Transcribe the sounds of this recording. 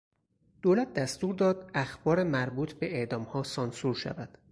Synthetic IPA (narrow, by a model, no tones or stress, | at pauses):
d̪̥oːlæt̪̚ʰd̪æst̪uːɾd̪ɒːd̪̥æxb̥ɒːɾemæɾbuːt̪ʰbe̞eʔd̪ɒːmhɒːsɒnsuːɾʃæ̰væd̪̥